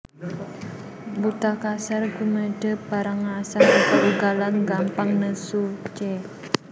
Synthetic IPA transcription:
but̪akasarɡuməɖ̥ə̤b̥aɾaŋːasaŋəkəʔuɡalanɡampaŋnəsut͡ʃɛ

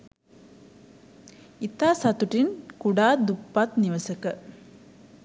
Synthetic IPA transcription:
it̪aːsat̪uʈinkuɖaːd̪upːat̪niʋəsəkə

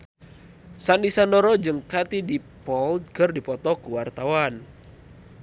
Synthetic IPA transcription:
sandisandɔɾɔd͡ʒɨŋkat̪idipɔlkərdipɔt̪ɔkuwart̪awan

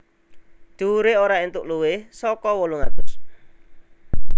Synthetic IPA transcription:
d̪̥uɾeoɾaint̪ʊʔluwɪhsɔkɔwoluŋad̪̥ʊs

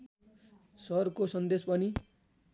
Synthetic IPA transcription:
sʌrkosʌnd̪espʌni

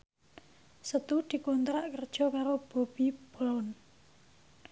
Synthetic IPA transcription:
sət̪ud̪̥i̤kont̪ɾaʔkərd̥ʒ̥ɔ̤kaɾob̥o̤b̥i̤b̥ɔɔn

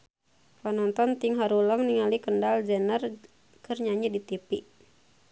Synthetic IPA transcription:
panɔnt̪ɔnt̪iŋɦaɾuləŋniŋalikəndald͡ʒɛnər | kɨrɲaɲidit̪ipiʔ

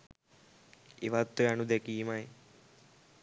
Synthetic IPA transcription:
eʋat̪ːoanud̪ɛkiːmaj

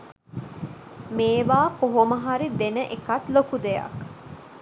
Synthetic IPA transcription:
meːʋaːkoɦomɐɦaɾid̪enəʔekɐt̪lokud̪ejɐ̰k

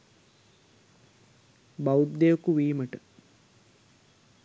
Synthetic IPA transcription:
baud̪ːejokuʋiːməʈə

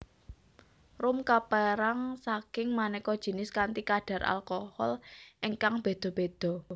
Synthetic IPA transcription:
rʊmkapɛɾaŋsakɪŋmanɛkɔd̥ʒ̥i̤nɪskant̪ikaɖ̥ä̤rʔa̰lkɔhɔlʔiŋkaŋb̥e̤d̪̥ɔ̤b̥ed̪̥ɔ̤

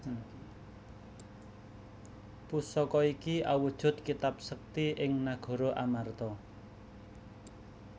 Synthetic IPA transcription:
pusɔkɔikiawud̥ʒ̥ʊ̤t̪̚kit̪ap̚sək̚t̪iɪŋnaɡ̥ɔ̤ɾoʔamart̪ɔ

